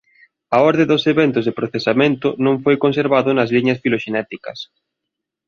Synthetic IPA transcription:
ɐɔɾðed̪ʊseβɛnt̪ʊzðepɾoθesamẽnt̪ʊnõŋfojkonseɾβaðʊnɐzliɲɐsfiloʃenɛt̪ikɐs

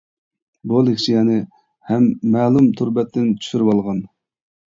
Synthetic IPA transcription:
bolˠekt͡ʃijɛnɪ | hɛmːɛːlˠumt̪ʰuɾbɛt̪ʰːɪnt͡ʃʰy̥ʃyɾɪwɑlˠʁɑn

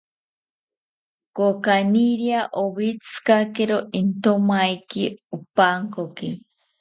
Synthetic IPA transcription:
kokaniɾiaʔoβit͡sɨ̥kakeɾoint̪omajkiupaːŋkoki

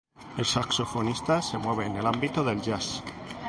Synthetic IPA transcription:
e̞lsakso̞fo̞nist̪ase̞mwe̞β̞e̞ːne̞lambit̪oðe̞lʝas

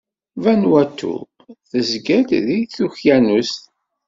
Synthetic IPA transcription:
vænwæt̪ʰːṵ | θəzɡæd̪ðijθuçjænust̪

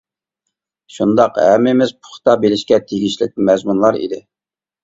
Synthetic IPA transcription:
ʃund̪ɑqɛ̰mɪmɪzpʰʊ̥χt̪ɑbelɪʃkʲɛt̪ʰeɡʲiʃlɪk̚ʲmɛzmunlˠɑɾḭd̪ɪ

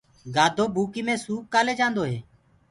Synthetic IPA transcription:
ɡaːd̪ʱoːbʱuːkiːmẽːsuːkaːleːd͡ʒãːnd̪oːɦeː

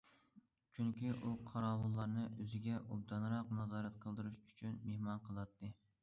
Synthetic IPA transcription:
t͡ʃʰyŋkʲiʔuqʰɑɾɑːwunlˠɑɾnɨʔøzɪɡʲɛʔub̚d̪ɑnɾɑqnɑzɑːɾɛt̪qʰəlˠd̪ɨɾuʃyt͡ʃʰynmehmɑnqʰəlˠɑt̪ʰːɨ

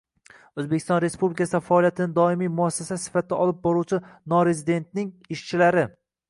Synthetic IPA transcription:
ɵzbekʰʲɪ̥st̪ɒnɾe̞spublɪkʰʲasɪd̪afaːlijat̪ʰɪnɪd̪ɒɪmijmʊasːasasɪ̥fat̪̚ʰd̪aɒlɪp̚bɒɾuwt͡ʃʰɪnɒɾe̞zɪd̪e̞nt̪nɪŋɪʃt͡ʃʰɪlaɾɪ

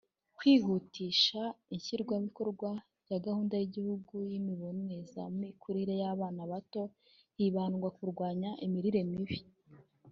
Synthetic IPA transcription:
kwiːɦutiːʃaiɲçiɾɡwaβiko̞ɾɡwa | jaɡahuːndajiɟihuɡujimiβo̞nweza̰mmikʰuɾiɾe̞jaβaːnaβato̞ | hiβaːnɡwakuɾɡwaːɲaʔimiɾiɾe̞miβi

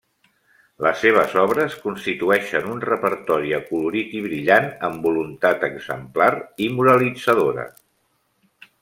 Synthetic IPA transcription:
ləsːeβ̞əzɔβɾəskunst̪it̪uɛʃənunrəpəɾt̪ɔɾiəkuluɾit̪iβɾiʎanəmbulunt̪at̪əɡzə̰mplaɾimuɾəlid͡zəðoɾə̰

